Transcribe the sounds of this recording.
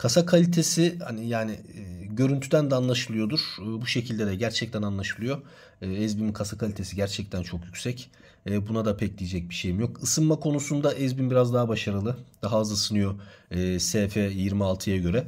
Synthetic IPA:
kʰasakʰalʲit̪ʰe̞sɪha̰nɪjaːnɪːɟø̞ɾynt̪ʰyd̪ænd̪ɛaːnlˠaʃɯlˠɯjo̞d̪uɾ̥ːbuʃe̞cʰilʲd̪ed̪ɛɟæɾt͡ʃʰɛc̚t̪ʰænanlˠaʃɯlˠɯjo̞ː | ɛzbinikʰasakʰalʲit̪ʰe̞siɟæɾt͡ʃʰɛc̚t̪ʰænt͡ʃʰo̞kjycʲsɛc | ɛːbunad̪apʰɛclʲijid͡ʒɛc̚biʃe̞jmijo̞kɯsɯnmakʰo̞nusund̪aʔɛzbinbiɾazd̪aɦabaʃaɾɯlˠɯd̪̥aɦaːzˠasɯnɯjo̞ɛːsɛːfɛjiɾmialˠt̪ʰɯjaɟø̞ɾɛ

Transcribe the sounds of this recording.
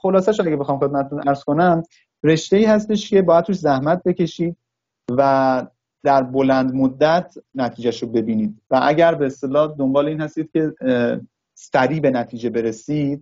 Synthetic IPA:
xolɒːsæʃoæɡʲebexɒːmxe̞d̪mæt̪ʰet̪unʔæɾz̥ko̞næm | re̞ʃt̪e̞iːhæs̬t̪e̞ʃcʰe̞bɒːjæd̪̚ɾʰuːʃzæhmæt̪̚be̞ce̞ʃiːd̪̚ | væ | d̪̥æɾbolænd̪mod̪ːæt̪ʰnæt̪ʰiːd͡ʒæʃobe̞biːniːd̪̥væʔæɟæɾbe̞ːst̪e̞lɒːd̪ombɒːleiːnhæst̪iːd̪̥cʰʲe̞ | sæɾiːbe̞næt̪ʰiːd͡ʒe̞be̞ɾe̞siːd̪̥̚

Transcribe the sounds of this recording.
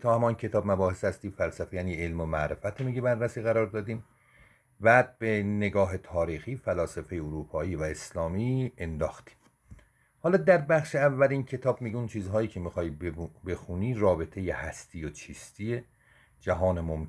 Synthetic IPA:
t̪ʰɒːhæmɒːincʰe̞t̪ʰɒːbmæbɒːhe̞shæst̪iːmfælsæfejæːniːelmomæʔɾefæt̪ʰemiɟebærːæsiːɣæɾɒːɾd̪ɒːd̪iːm | bæːd̪̚be̞ne̞ɡɒːɦe̞t̪ʰɒːɾiːxiːfælɒːsefe̞jeoɾuːpʰɒːiːvæe̞slɒːmiːend̪ɒːxt̪i̥m | hɒːlɒːd̪æɾbæχʃeævːælincʰe̞t̪ʰɒːb̚miɟeunt͡ʃʰiːzɦɒːjiːcʰe̞mixɒːjbbe̞xuniːɾɒːbe̞t̪ʰe̞jehæst̪ʰiːjot͡ʃʰiːst̪ʰie | d͡ʒæɦɒːnemom

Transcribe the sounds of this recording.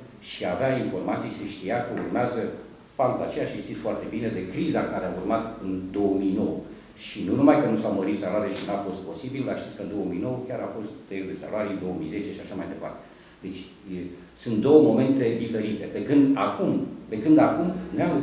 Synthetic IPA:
ʃiaveainfo̞rmat̪sijʃiʃt̪iakəurmeazə | pamt̪at͡ʃe̞jaʃiʃt̪it̪sfoart̪e̞bine̞d̪e̞kɾizaŋkaɾeaurmat̪ɨnd̪o̞wəmijno̞wə | ʃinunumajkənusawməɾit̪saloaɾijeʃinafo̞st̪̚po̞sibilaʃt̪it̪sʲkəɨnd̪o̞omijno̞wəkʲaɾʔafo̞st̪ːelud̪e̞sa̰loaɾijd̪o̞wəmijze̞t͡ʃe̞ʃiaʃamajd̪e̞pa̰rt̪e̞ | d̪e̞t͡ʃʲ | sunt̪̚d̪o̞wəmo̞me̞nt̪e̞d̪ife̞ɾit̪e̞pekɨnd̪akumpe̞kɨnd̪akumneamu

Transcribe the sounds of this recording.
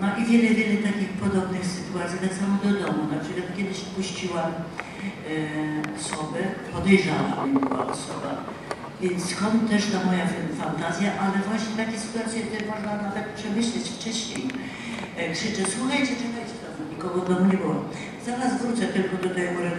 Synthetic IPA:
nɔʔivʲjɛlɛvʲjɛlɛt̪akʲixpɔd̪ɔbnɘxsɘt̪uat̪sʲjit̪ɛt̪samɔd̪ɔd̪ɔmunapʂɛlʲiɔt̪kʲjɛd̪ɘɕpuɕt͡ɕiwam | ɔsɔbɛpɔd̪ɛjʐawa̰mɛmɔw̪a̰ɔ̰sɔba̰ | vʲjɛnt̪sskɔnt̪t̪ːɛʂt̪amɔjaffant̪azʲjaʔalɛvwaɕɲɛt̪akʲɛsɨ̥t̪uat̪sʲjɛk̚t̪ɛmɔʐnanavɛt̪̚pʂɛmɘɕlɛt͡ɕft͡ʂɛɕɲḛj | kʂɘt͡ʂɛswuxajt͡ɕɛt͡ʂɛxajt͡ɕɛt̪azɔɲikɔɡɔd̪ɔmɲɛbɔwɔ | zaɾasvɾut̪sɛt̪ɪlkɔd̪ɔt̪ɛɡɡɔ

